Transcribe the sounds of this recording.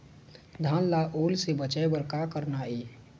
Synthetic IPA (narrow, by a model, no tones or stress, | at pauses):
d̪ʱanlaʔolsebət͡ʃəebəɾkakəɾnae